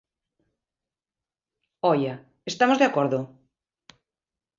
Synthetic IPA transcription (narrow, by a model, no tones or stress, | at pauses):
ɔja | est̪amozðeakoɾðo